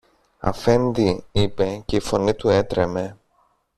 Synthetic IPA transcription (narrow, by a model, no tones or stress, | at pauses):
ɐ̰fe̞nd̪iipe̞ce̞ifo̞nit̪ue̞t̪ɾe̞me̞